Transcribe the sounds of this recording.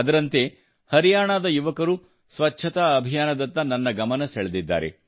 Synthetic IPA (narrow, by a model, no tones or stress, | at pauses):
ɐd̪ɐɾɐnt̪e̞ | hɐɾijaːɳaːd̪ɐjuʋɐkɐɾu | sʋɐt͡ʃːt͡ʃʰːɐt̪aɐbʱijaːnɐd̪ɐnt̪ːɐnɐnːɐɡɐmɐnɐseɭed̪id̪ːa̰ːɾe̞̰